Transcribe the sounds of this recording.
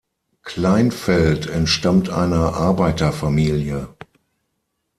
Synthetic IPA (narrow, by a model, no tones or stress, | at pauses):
kʰl̥aɪnfɛltʰɛntʃtamtʰʔa̰ɪnɐʔaɐbaɪtɐfamiːljə